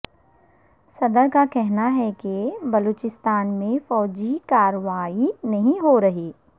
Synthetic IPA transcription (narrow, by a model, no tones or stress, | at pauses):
sɐd̪əɾkakɛɦnaɦɛkebɐloːt͡ʃɪst̪aːnmẽfɔːd͡ʒikaːɾʋaːinɐɦĩɦoɾɐɦeː